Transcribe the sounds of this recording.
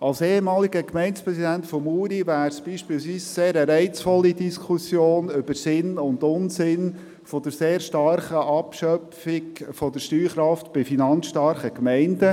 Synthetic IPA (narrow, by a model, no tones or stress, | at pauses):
ɑlseːhemɑːliɡəkmɛɪnspɾɛsidæntfɔmuːɾivæːɾsb̥iːʃpiːlsʋiːsseːɾəɾɛɪt͡sfɔlːidiskʰusjoːnʏb̥əɾsɪnʊndʊnsɪn | fɔd̪əɾseːɾʃtɑrχəʔɑpʃœfɪɡfɔd̪əɾʃtyːχɾɑftb̥ɪfinɑnsʃtɑɾχəkmɛɪndə